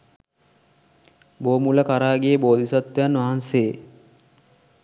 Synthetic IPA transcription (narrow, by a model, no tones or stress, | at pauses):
boːmuləkaɾaːɡijeboːd̪ʱisat̪ʋejanʋaɦanseje